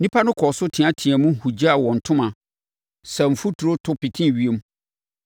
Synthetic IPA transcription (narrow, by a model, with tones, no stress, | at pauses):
nĩ˦pʰa˦nʊ̃˦kʰɔ˨sʊ˦tʰɪ̃˨a˦tʰĩ˨æ̃˨mũ˦˨hu˨d͡ʑa˦˨wɔ̃˨n̩˨tʰʊ̃˦mã˨ | sɛ˨m̩˨fu˦tʰu˨ɾo˦tʰʊ˦pi˨tʰĩ˦˨ɥi˦e˦m˦